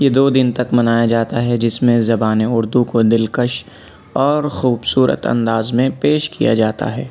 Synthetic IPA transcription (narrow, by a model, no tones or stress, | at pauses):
jed̪oːd̪ɪnt̪ɐkmɐnaːjad͡ʒaːt̪aɦɛd͡ʒɪsmẽzɐbaːneʊɾd̪ukod̪ɪlkəʃ | ɔːɾxuːbsuːɾə̰t̪ɐ̰̃nd̪aːzmẽpeːʃkʰija̰d͡ʒaːt̪a̰ɦɛː